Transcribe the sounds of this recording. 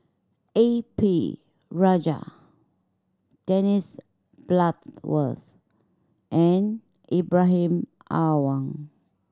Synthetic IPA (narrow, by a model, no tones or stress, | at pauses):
epi | ɹad͡ʒa̰ | d̥ɛnis | b̥lat̪wə̰θ | ʔɛ̃n | ʔibɹaɦĩm | ʔawãŋ